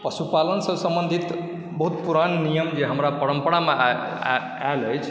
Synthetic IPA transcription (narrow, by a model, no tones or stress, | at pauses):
pəsupalənsəsəmbənd̪ʱit̪ | bəɦut̪̚puɾannijəmd͡ʒeɦəmɾapəɾəmpəɽame | aləjt͡ʃʰ